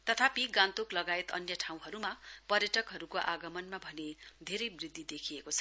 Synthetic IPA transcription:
t̪ʌt̪ʰapiɡãnt̪oklʌɡaet̪ʌ̰njʌʈʰaw̃ɦʌɾumapʌrjʌʈʌkɦʌɾukoʔaɡʌmʌnmabʱʌned̪ʱeɾʌjbrid̪ːid̪ekʰiekot͡sʰʌ̥

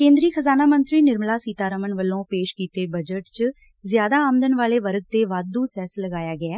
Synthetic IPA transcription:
kẽːnd̪ɾiːkʰəzaːnaːmənt̪ɾiːnɪɾmlaːsiːt̪aːɾəmənʋəlːõːpeːʃkiːt̪eːbəd͡ʒəʈt͡ʃ | zjaːd̪aːaːməd̪ənʋaːleːʋəɾɡ̚t̪eːʋaːd̪uːsɛːsləɡaːjaːɡɪaː

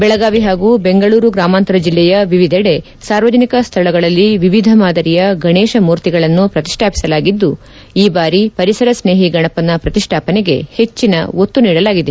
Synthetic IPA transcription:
bɛɭɐɡaːʋiɦaːɡube̞ŋɡɐɭuːɾuɡɾaːmaːnt̪ɐɾɐd͡ʒilːɛjɐʋiʋid̪ʱɐɽe̞ | saːɾʋɐd͡ʒɐnikɐst̪ʰɐɭɐɡɐɭɐlːiʋiʋid̪ʱɐmaːd̪ɐɾijɐɡʱɐɳeːʃɐmuːɾt̪iɡɐɭɐnːupɾɐt̪i̥ʂʈʰaːpi̥sɐlaːɡid̪ːu | iːbaːɾipɐɾisɐɾɐsne̞ːɦiɡɐɳɐpːɐnːɐpɾɐt̪iʂʈʰaːpɐneɡe̞̰he̞t͡ʃːinɐ̰o̞t̪ːuniːɽɐlaːɡid̪e̞

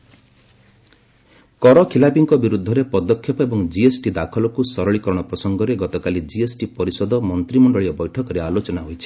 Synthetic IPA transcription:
kɔɾɔkʰilabiŋkɔbiɾud̪ʱːɔɾepɔd̪ɔkʰːjɔpɔebɔŋd͡ʒiesʈid̪akʰɔlɔkusɔɾɔɭikɔɾɔɽ̃ɔpɾɔsɔŋɡɔɾeɡɔt̪ɔkalid͡ʒiesʈipɔɾisɔd̪ɔmɔnt̪ɾimɔɳɖɔɭiɔbɔjʈʰɔkɔɾealot͡ʃɔnaɦojt͡ʃʰi̥

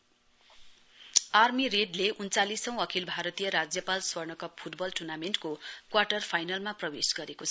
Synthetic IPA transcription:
armiɾeɖleʔunt͡salisʌ̃w̃ʌkʰilbʱaɾʌt̪ijʌɾad͡zjʌpalswʌrɳnʌkʌppʰuʈbʌlʈurnamenʈkokwaʈʌrpʰajnʌlmaprʌbesɡʌɾekot͡sʰʌ

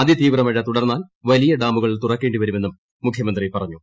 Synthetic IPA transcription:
ɐðit̪iːʋrɐmɐɻːɐt̪uɽɐrnːaːlʋɐlijɐɖaːmbuɣɐɭit̪urɐkːe̞ːɳɖiʋɐɾumeːumː | ukʰjɐmɐnd̪riepɐrɐɲːu

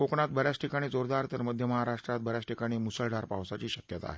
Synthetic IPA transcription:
okɳat̪bəɾjat͡sʈʰikaɽ̃iːd͡zoɾd̪aɾt̪əɾməd̪ʱjəməɦaɾaʂʈɾat̪̚bəɾjat͡sʈikaɽ̃iːmusəɭɖaɾpaʋsat͡ɕiːɕəkjət̪a̰ɦe

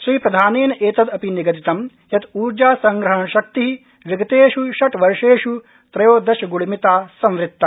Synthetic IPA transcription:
ʃɾiːpɾɐd̪ʱaːneːneːt̪ɐd̪ɐpiniɡɐt̪it̪ɐm | jɐt̪uːɾd͡ʒaːsɐŋɡɾɐɦɐɳɐʃɐk̚t̪iɦi | ʋiɡɐt̪eːʃuʃɐʈʋɐɾʂeːʂu | t̪ɾɐjoːd̪ɐʃɐɡuɭimit̪aːsɐ̃mʋɾɪt̪ːɐ

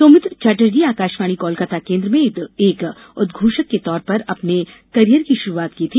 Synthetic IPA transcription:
soːmɪt̪t͡ʃaːʈəɾd͡ʒiaːkaːʃʋaːɽ̃ikɔːlkət̪ʰakẽːnd̪ɾəmẽɪd̪eːk | ʊd̪ɡʱuːʃəkːet̪ɔːɾpɐɾɐpne | kɐɾijəɾkiʃʊɾuaːt̪kit̪ʰi

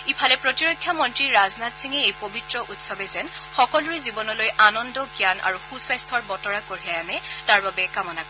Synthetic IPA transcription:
ipʰalɛpɹotiɹojkʰːjamɔntɹiɹaznatsiŋɛejpobitɹɔʔutsɔbɛzɛn | xɔkɔluɹizibɔnɔlojʔanɔndɔɡianʔa̰ɹuxuswajstʰɔɹbɔtɔɹakoɹɦɛjanɛtaɹbabɛkamɔnakɔ

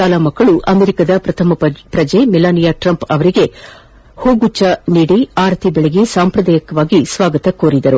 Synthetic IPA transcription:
aːlaːmɐkːɐɭuʔɐmeɾikɐd̪ɐpɾɐt̪ʰɐmɐpɾɐd͡ʒeːmɛlaːnijaːʈɾɐmpɐʋɐɾiɡe̞ | hoːɡut͡ʃːɐniːɽiaːɾt̪ʰibɛɭeɡisaːmpɾɐd̪aːjɐkɐʋaːɡisʋaːɡɐt̪ɐkoːɾid̪ɐɾu

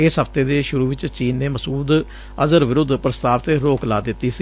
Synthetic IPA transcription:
ɪsɦəpʰt̪eːd̪eːʃʊɾuːʋɪt͡ʃt͡ʃiːnːeːməsuːd̪ | əzəɾʋɪɾʊd̪pɾəst̪aːʋt̪eːɾoːklaːd̪ɪt̪ːiːsi

